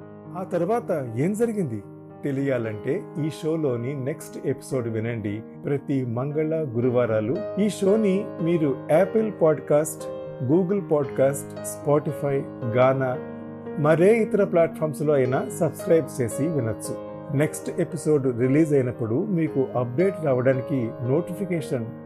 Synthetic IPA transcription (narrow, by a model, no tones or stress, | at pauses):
aːt̪ɐɾuʋaːt̪ɐe̞ːmd͡ʒɐɾiɡind̪i | t̪e̞lijaːlɐɳʈe̞ːiːʂo̞ːlo̞ːnine̞ksʈe̞pi̥so̞ːɖʋinɐɳɖi | pɾɐt̪imɐŋɡɐɭɐɡuɾuʋaːɾaːluiːʃo̞ːnimiːɾuɛːpelpaːɖkaːsʈ | ɡuːɡɐlpaːɖkaːsʈ | spaːʈipʰɐjɡaːnaː | mɐɾe̞ːit̪ɐɾɐplaːʈ̚pʰaːɾmslo̞ːɐjnaːsɐbskɾɐjb̚t͡ʃe̞ːsiʋinɐt͡ʃːu | ne̞ksʈe̞piso̞ːɖɾiliːd͡ʒɐjnɐpːuɽumiːkuʔɐp̚ɖe̞ːʈɾaːʋɐɽaːnikino̞ːʈipʰikeːʂɐn